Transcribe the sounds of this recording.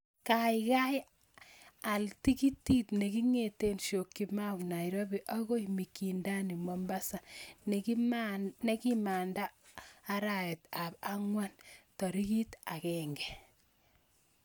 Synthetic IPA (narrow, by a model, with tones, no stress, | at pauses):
ka˨jka˦j | a˨lti˦ki˦tːi˦tne˨ki˦ŋe˨te˦nʃo˨kːi˨ma˦wna˨iɾo˦bi˨ʔa˦ɣo˦imi˨ki˨nda˦ni˨mɔmba˦sa˨ne˨ki˦mne˦ki˦maː˨ndaː˦ɾa˨ɛ˨ta˨ba˦ŋwa˦ntɔ˨ɾi˦ki˦ta˨kɛŋɡɛ˨